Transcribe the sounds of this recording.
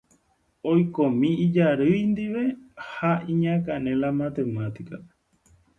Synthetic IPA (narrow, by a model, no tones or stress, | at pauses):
ojkõmĩid͡ʒaɾɨjnd̪iʋe̞haĩɲãkanẽlamat̪e̞mat̪ika